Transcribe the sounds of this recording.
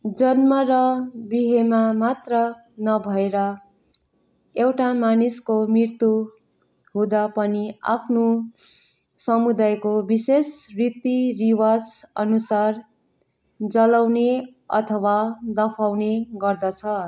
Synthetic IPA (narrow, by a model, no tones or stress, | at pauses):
d͡zʌnmʌɾʌbiɦemamat̪rʌ | nʌbʱʌeɾʌ | ewʈamaniskomrirt̪u | ɦũd̪apʌnia̰pʰno | sʌmud̪ajkobisesrit̪iriwad͡zʌ̰nusar | d͡zʌlawne | ʌ̰t̪ʰʌwad̪ʌpʰawneɡʌrd̪ʌt͡sʰʌ